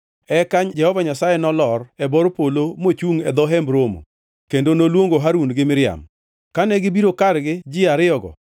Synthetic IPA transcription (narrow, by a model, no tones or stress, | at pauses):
ɛkaɲd͡ʒɛhɔvaɲasajɛnɔlɔrɛbɔɾpolomot͡ʃuŋɛd̪ɔɦɛmbɾomo̰ | kendonolwoŋɡoɦaɾunɡɪmɪɾɪa̰m | kanɛɡɪbiɾokaɾɡɪd͡ʒɪaɾɪɔɡɔ̰